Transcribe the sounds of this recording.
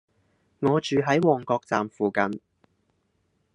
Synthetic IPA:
ŋɔː˨˧t͡ʃyː˨ɦɐ˨˥jwɔː˨ŋkɔː˧k̚t͡sa̰ː˨mfuː˨kɐ˨˧n

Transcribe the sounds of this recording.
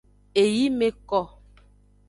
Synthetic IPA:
e˨ji˦me˨kɔ˨

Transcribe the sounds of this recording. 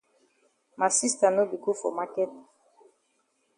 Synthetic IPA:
ma˨si˦sta˨no˦bi˨ku˦fo̰˨ma˦kɛ˦t

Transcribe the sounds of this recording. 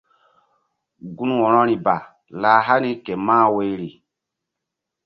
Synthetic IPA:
ɡu˦n˦wɔ˨nɔ˦ɾi˨ba˨ | laː˨ɦa˦ni˦ke˨maː˦we˦ɾi˨

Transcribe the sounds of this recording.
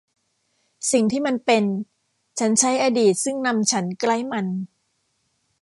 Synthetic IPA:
si˨˩ŋt̪ʰiː˥˩ma˧npe˧n | t͡ɕʰa˦˥nt͡ɕʰa˦˥jʔaː˧diː˨˩t̪̚sɯ˥˩ŋna˧mt͡ɕʰa˦˥nkla˥˩jma˧n

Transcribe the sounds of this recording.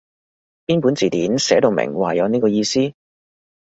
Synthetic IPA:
piː˥npuː˨˥nt͡siː˨t̪iː˨˥nsɛː˨˥t̪o˧wmɪ̰˨˩ŋwaː˨˩jɐ˨˧wniː˥kɔː˧jiː˧siː˥

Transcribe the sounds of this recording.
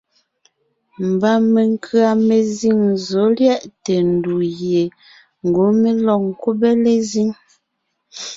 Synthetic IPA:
m̩˨ba˦me˨ŋ˦kʰɰa˨me˨zi˦˨ŋzo˨˦ljɛ˦ʔte˨n˨du˨ɣje˨ | ŋ̩˨ɡo˨˦me˦lɔ˦˨ŋ˨ku˦be˦le˦zi˦ŋ

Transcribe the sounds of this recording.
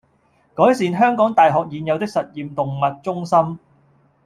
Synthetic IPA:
kɔː˨˥jsiː˨nɦœː˥ŋkɔː˨˥ŋt̪aː˨jɦɔː˨k̚jiː˨˧njɐ˨˧wt̪ɪ˥k̚sɐ˨t̚jiː˨mt̪ʊ˨ŋmɐ˨t̚t͡sʊ˥ŋsɐ˥m

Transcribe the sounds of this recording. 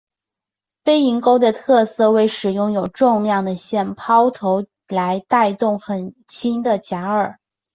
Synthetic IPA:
fe˥ɪi˧˥ŋko˥ʊd̪ə˨t̪ʰɤ˥˧sɤ˥˧we˥˩ɪʂɻ̩˨˩jʊ˥˩ŋjo˨˩ʊʈ͡ʂʊ˥˧ŋljɑ˥˩ŋd̪ə˩ɕjɛ˥˩npʰɑ˥ʊt̪ʰo˧˥ʊ | la˧˥ɪt̪a˥˧ɪt̪ʊ˥˩ŋxə˨˩nt͡ɕʰi˥nd̪ə˨t͡ɕja˧˥ə˞˨˩

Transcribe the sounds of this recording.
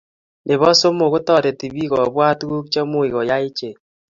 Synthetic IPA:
ne˨βɔ˦so˦mo˨ɣo˦tɔ˦˨ɾe˨ti˨βi˦ɣɔ˨βwa˦tɣu˦k̚t͡ʃɔ˦mo˦i˨ɣɔ˨ja˦i˦t͡ʃe˨

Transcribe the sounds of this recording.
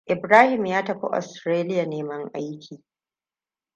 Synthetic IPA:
ʔɪ˨bɾaː˦hɪ˨mjaː˦tɐ˨ɸo̰˦ʔɔ̰˨stɾeː˦lɪ˦ja˨neː˦mɐ˦ŋʔa̰˦jkʲʰiː˨

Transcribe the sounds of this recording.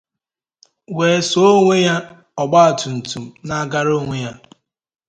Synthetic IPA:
weː˨so˦o˦ŋʷe˦ja˦ | ɔ˨ɡ͡ba˦a˨tu˨n̩˨tu˨m̩˨na˦ɡa˦ɾo˦ŋʷe˦ja˦

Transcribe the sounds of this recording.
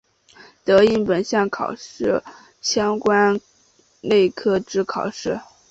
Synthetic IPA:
t̪ɤ˧˥i˧˥npə˨˩nɕjɑ˥˩ŋkʰɑ̰˨˩ʊʂɻ̩˥˩ | ɕjɑ˥ŋkwa˥n | ne˥˩ɪkʰɤ˥ʈ͡ʂɻ̩˥kʰɑ˨˩ʊʂɻ̩˥˩

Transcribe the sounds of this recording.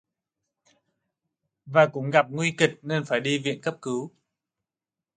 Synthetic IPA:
vaː˨˩kʊ̰˧˥ŋ͡mɣa˨˩p̚ŋwi˧kï˨˩k̚ne˧nfaː˧˩jɗi˧vḭ˧˨ənkə˦˥p̚kɨ˨˦w

